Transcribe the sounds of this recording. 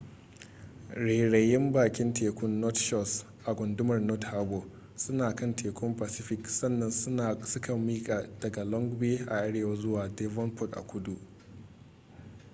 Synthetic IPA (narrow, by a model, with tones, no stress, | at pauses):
ɽeː˨ɽɐ˨jɪ˦mbaː˨kʲɪ˦nteː˨kʷʊ˦nːɔ˦tʃɔ˦˨s | ʔa˨ɡʷʊ˨ndʊ˦mɐ˨rnɔ˦thaː˦ɡoː˨ | sʊ˦naː˨kɐ˦nteː˨kʷʊ˦mpa˨sɪ˦ɸɪ˨ksɐ˦nːɐ˨n˦˨sʊ˦kɐ˨mːiː˦kʼaː˨d̥ɐ˨ɡa˨lɔ˦ŋɡbeː˦ʔa̰˨ʔa˦ɽeː˨wɐ˦zʊ˦waː˨deː˦vɔ˦npɔ˦˨kʔa̰˨kʷʊ˦du˨ʔ